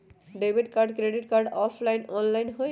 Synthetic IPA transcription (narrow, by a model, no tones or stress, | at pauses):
ɖebiʈkaɾɖkɾeɖiʈkaɾɖɔpʰlajnɔnlajnɦo